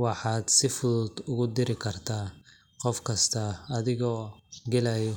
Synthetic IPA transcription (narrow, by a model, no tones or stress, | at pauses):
wɑħɑːd̪sɪfʊðʊd̪ʊɣʊd̪ɪɾɪkʰɐrt̪ʰaː | qɔfkʰɐst̪ʰɐːðɪɣɔːɡɛlɐjɔ